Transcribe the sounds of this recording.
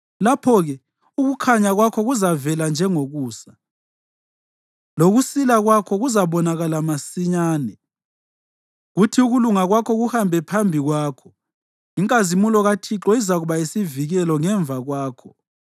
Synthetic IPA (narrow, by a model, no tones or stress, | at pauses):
lapʰɔɣɛ | uɣukʰaɲaɣwakʰɔɣuzavɛland͡ʒʱɛŋoɣuːsa | loɣusilaɣwakʰɔɣuzaβɔnaɣalamasiɲaːnɛ | ɣutʰiuɣuluŋaɣwakʰɔɣuhambʱɛpʰambʱiɣwaːkʰɔ̥ | iŋkʼazimulɔɣatʰiǁɔizaɣuβaisiviɣɛlɔŋɛɱvʱaɣwaːkʰɔ̥